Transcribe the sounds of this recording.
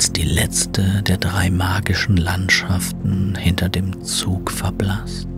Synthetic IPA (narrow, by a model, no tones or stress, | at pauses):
sd̥iːlɛt͡stʰədeːɐdʁaɪmaːɡɪʃn̩lantʃaftn̩hɪntʰɐdeːmt͡suːkfɛɐblas